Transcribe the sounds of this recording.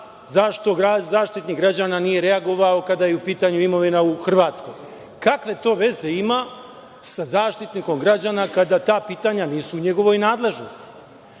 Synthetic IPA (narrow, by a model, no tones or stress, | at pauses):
zaʃt̪o̞ɡazaːʃt̪it̪nikɡɾad͡ʑananije̞ɾe̞aɡo̞ʋao̞kad̪ajeupiːt̪aɲuimo̞ʋinauxr̩ʋaːt̪sko̞̰j | kakʋe̞t̪o̞ːʋe̞ze̞ima | sazaːʃt̪it̪niko̞mɡɾad͡ʑanakad̪at̪aːpiːt̪aɲaniːsuːɲe̞ɡo̞ʋo̞jnaːd̪le̞ʒno̞st̪i̥